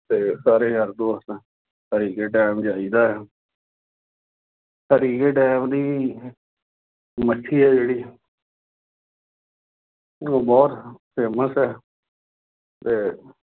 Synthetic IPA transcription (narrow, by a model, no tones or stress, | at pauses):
t̪eːsaːɾeːɡəɾd̪oːst̪ã | həɾiːkeːʈɛːmd͡ʒaːiːd̪aːɛː | həɾiːkeːʈɛːmd̪iː | mət͡ʃʰːiːɛːd͡ʒeːɽiː | oːbɔːt̪peːməsɛː | t̪eː